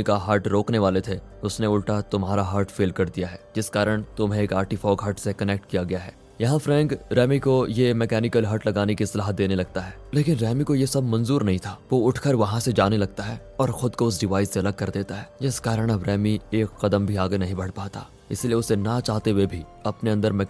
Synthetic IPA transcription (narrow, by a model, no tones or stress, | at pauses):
ikaɦɐɾʈɾoːkneʋaːlet̪ʰe | ʊsneʊlʈat̪ʊmɦaːɾaɦaːɾʈfeːlkɐɾd̪ijaɦɛːd͡ʒɪskaːɾəɽ̃t̪ʊmɦẽeːkaːɾʈifɔːɡɦɐɾʈsekɐnɛk̚ʈkijaɡɐjaɦɛː | jɐɦãfɾɛ̃ːŋkɾɛːmikojemɛːkɛːnɪkəlɦɐɾʈlɐɡaːnekiɪslaːɦət̪̚d̪eːnelɐɡ̚t̪aɦɛːleːkɪnɾɛːmikojesɐbʱmɐ̃nzuːɾnɐɦĩt̪ʰaːʋoʊʈʰkəɾʋɐɦãsed͡ʒaːnelɐɡ̚t̪aɦɛː | ɔːɾxʊd̪koʊs̬ɖɪʋaːɪseɐləɡ̚kɐɾd̪eːt̪aɦɛːd͡ʒɪskaːɾəɽ̃əbɾɛːmieːkːɐd̪əmbʱiaːɡenɐɦĩbɐɽ̤paːt̪a̰ː | ɪ̰silieʊsenɐt͡ʃaːɦt̪eɦʋebʱi | ɐpneɐ̃nd̪əɾmɛ